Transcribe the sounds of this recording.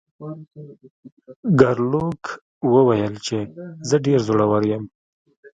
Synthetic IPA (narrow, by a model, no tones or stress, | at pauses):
ɡaɾlok | wəwajəlt͡ʃezəɖeɾzoɽawaɾjəm